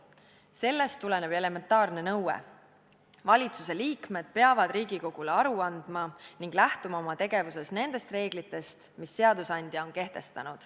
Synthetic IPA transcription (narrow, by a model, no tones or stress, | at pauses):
se̞lːe̞st̪ːule̞ne̞b̥e̞le̞me̞nt̪ˑɑːrne̞nɤwḛ | vɑlʲit̪suse̞liːkme̞d̪̥̚pe̞ɑvɑd̪riːɡiko̞ɡ̥uleɑɾuɑnd̪̥mɑniŋɡ̥læht̪umɑo̞mɑt̪e̞ɡe̞vuse̞sne̞nd̪̥e̞st̪re̞ːɡlit̪ːˑe̞st̪misːe̞ɑd̪̥usɑnʲd̪̥ʲjɑo̞nke̞ht̪e̞st̪ɑnud̪̥